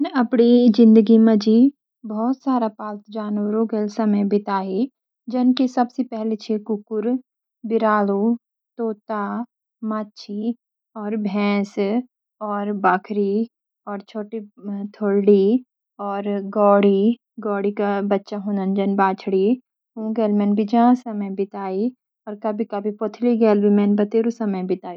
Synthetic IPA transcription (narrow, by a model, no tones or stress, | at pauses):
ɐpɽid͡ʒɪ̃nd̪əɡimə̃d͡ʒi | bɔːt̪saːɾapaːlt̪d͡ʒaːnʋɾõɡelsɐməjbɪt̪aːɦi | d͡ʒənkesɐbsepɛɦlet͡ʃʰekʊkʊɾ | bɪɾaːlu | t̪oːt̪a | maːtːt͡ʃʰi | ɔːɾbʱɛ̃ːs | ɔːɾbaːkʰɾi | ɔːɾt͡ʃʰoːʈit̪ʰoɽɖi | ɔːɾɡɔːɽi | ɡɔːɽikabɐtːʃaɦoːnənd͡ʒənbaːt͡ʃʰɽi | ũːɡɛːlmɛ̃nbʱid͡ʒɐɦãsɐməjbɪt̪aːi | ɔːɾkabʱikabʱipot̪ʰliɡɛːlbʱimɛ̃ːnbɐt̪eːɾusɐməjbɪt̪aːji